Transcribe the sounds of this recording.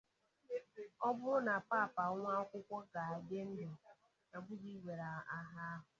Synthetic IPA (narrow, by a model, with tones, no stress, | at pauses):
ɔ˦bʊ˦ɾʊ˦na˨paː˦˨pa˨˦ŋʷa˦kʷʊ˦kʷɔ˦ɡa˨a˨de˦n̩˦dʊ˨ | a˨ɡ͡bʷʊ˦di˦ɡʷe˨ɾa˨a˦ɦa˦ɦʊ˨